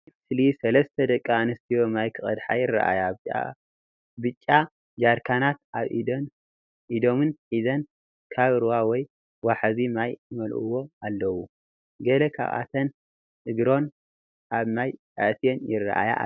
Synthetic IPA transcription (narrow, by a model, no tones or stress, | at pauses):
slisɐlɐst̪ʰɐd̪ɐkʼːaanɐst̪ʰijo̞majkʰɨχʼɐ̰d̪ħajɪrːa̰ʔa̰jat͡ʃa̰ | bɨt͡ʃʼːa | d͡ʒaɾkʰanat̪aβ | ʔid̪o̞mɨnħizɐn | kʰaβɨɾwawɔj | waħazimajmɐlʔṵwo̞alːɐwu | ɡɐlɐkʰa̰ʔʼa̰t̪ʰɐn | ʔɨɡɾo̞n | ʔaβmaj | aʔt̪ʰijenjɪrːa̰ʔa̰ja̰